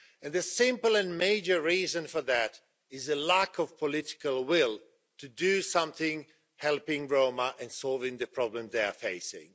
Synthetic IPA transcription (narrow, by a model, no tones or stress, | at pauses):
ɨ̃nðɨsɪ̃mpl̩ˠɨ̃nmeɪd͡ʒə˞ɹizɨ̃nfə˞ðɨɾ | ɪzəlækʰʌv̥pʰəlɪɾɪ̥kəlˠwɪlˠ | tʰɨdɨsʌ̃mθɪ̃ŋ | hɛlˠpɪ̃ŋɹõʊməʔɨ̃nsɔlˠvɪ̃ŋðɨpʰɹ̥ɑblə̃mzðeɪə̰˞feɪsɪ̰̃ŋ